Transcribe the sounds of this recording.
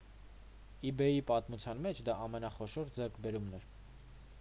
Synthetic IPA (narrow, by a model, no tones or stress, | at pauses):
ibɛjipɑt̪mut͡sʰjɑnmɛt͡ʃʰd̪ɑɑmɛnɑχɔʃɔɾd͡zɛɾkʰbɛɾumnɛɾ